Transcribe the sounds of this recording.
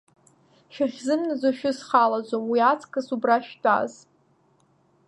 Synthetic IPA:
ʃᶣaχʲzɨmnazaʃᶣʊzχalad͡ʒʷomwiat͡sʰʼkʼasubraʃtʼa̰z

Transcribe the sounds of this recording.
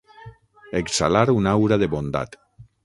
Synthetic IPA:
eksa̰laɾunawɾaðeβond̪a̰t̪

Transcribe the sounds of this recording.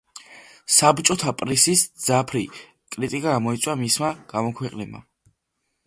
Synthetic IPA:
sabt͡ʃʼɔt̪ʰapʼɾisisd̪zapʰɾi | kʼɾit̪ʼikʼaamɔit̪sʼwamismaɡ̥amɔkʰwɛqʼnɛbma̰

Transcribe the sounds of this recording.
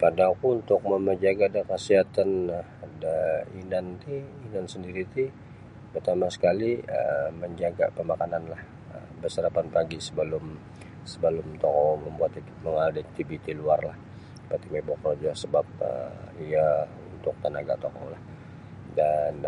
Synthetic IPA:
padaːkuunt̪ʊk̚məməd͡ʒaɡadakasiɦat̪an | dainant̪iːnansəndiɾit̪i | pərt̪amasə̥kaliə̰məɲd͡ʒaɡapəmakananlah | ə̰ | bərsəɾapanpaɡisəbəlʊm | səbəlʊmt̪ɔkɔwməmbuat̪i | məŋadak̚t̪ibit̪iluarlah | pat̪imebɔkrod͡ʒasəbap̚ə̰ia | unt̪ʊk̚t̪ənaɡa̰t̪oko̰wlah | dan

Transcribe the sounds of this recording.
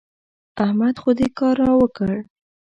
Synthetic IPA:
ahmad̪xod̪ekɑɾɑwəkəɽ

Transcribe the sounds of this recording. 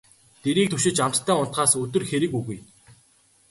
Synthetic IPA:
t̪eɾiːkt̪ʰɵʃɪ̆t͡ɕam̥t̪t̪ʰːæːʊnt̪ɢaːsɵt̪ɵ̆rxeɾɘ̆kuɣuj

